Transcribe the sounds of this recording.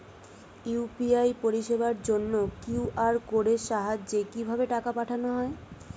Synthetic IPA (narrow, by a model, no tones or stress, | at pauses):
ipiajpoɾiʃebaɾd͡ʑonːokiwʔaɾkoɽeʃaɦad͡ʑːekibʱabeʈakapaʈʰanoɦɔe